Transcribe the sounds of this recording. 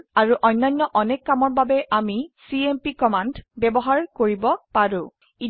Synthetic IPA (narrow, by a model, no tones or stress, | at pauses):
aɹuʔɔjnːajnːɔʔɔnɛkːamɔɹbabɛʔamisiempikɔmandbɛbɔɦaɹkoɹibɔpaɹũ | i